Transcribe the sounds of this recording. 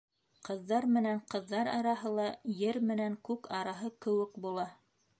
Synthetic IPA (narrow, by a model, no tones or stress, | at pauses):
qɤ̆ðːɑɾmɘ̆næɴqɤ̆ðːɑɾɑɾɑɦɤlˠɑjɘɾmɘ̆næŋkʉkɑɾɑɦɤkɘ̆wɘkbulˠɑ